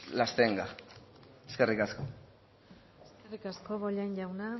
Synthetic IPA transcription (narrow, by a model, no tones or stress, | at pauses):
last̪e̞ŋɡa | eske̞rikasko̞ | eskerikasko̞βoʎaɲʝawna